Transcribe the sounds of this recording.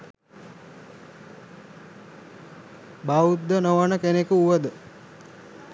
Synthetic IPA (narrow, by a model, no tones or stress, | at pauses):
baud̪ːənoʋənəkenekuuʋəd̪ə